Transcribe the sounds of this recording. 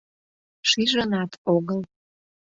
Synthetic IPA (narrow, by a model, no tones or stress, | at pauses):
ʃiʒənɑt̪ʰoɣəl